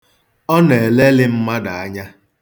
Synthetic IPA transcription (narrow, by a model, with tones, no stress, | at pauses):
ɔ˦ne˨e˨le˦lɪ˦m̩˦ma˦da˨a˦ɲa˦